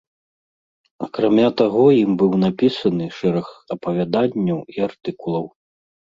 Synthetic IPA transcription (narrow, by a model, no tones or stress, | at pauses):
ɐkɾamʲat̪aɣɔjimbɨwnapʲisɐnɨʂɛɾɐxɐpɐvʲad̪anʲːɐwiart̪ɨkulˠɐw